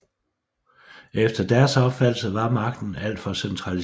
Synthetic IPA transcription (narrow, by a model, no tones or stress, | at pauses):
efd̥ɐd̥æɐsɒ̽b̥fæl̰l̩səʋɑ̈mɑ̈ɡ̥̚d̥n̩æl̰d̥fɒ̽sent͡sʰʁɑli